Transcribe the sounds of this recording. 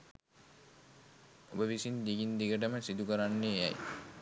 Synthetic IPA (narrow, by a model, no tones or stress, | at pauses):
obəʋisind̪iɡind̪iɡəʈ̬əməsid̪ukəɾanːeːa̰j